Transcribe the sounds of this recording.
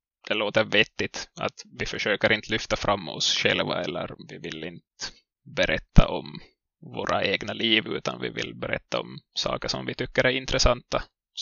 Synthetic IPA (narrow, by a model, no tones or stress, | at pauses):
d̪̥ɛloːt̪əvɛt̪ːɪt̪a̰t̪vɪfœʂøːkəɾʔɪnt̪əlʏft̪afɾamːɔ̰sɧɛlvaɛlːəɾvɪvɪlːɪnt̪ | bɛɾʔɛt̪ːaʔɔm | voːɾʔaʔeːɡnaliːvʉ̟ːt̪anvɪ̰vɪ̰lbɛɾɛ̰t̪ːaɔmsɑ̰ːkəʂɔmvɪt̪ʏkːəɾæɾɪnt̪ɾɛsant̪ːa